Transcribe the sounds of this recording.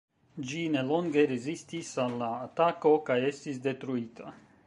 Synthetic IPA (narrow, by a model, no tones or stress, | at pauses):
d͡ʒineloŋɡeɾezist̪isalːaːt̪ako̞kajest̪isd̪e̞t̪ɾuit̪ʰa̰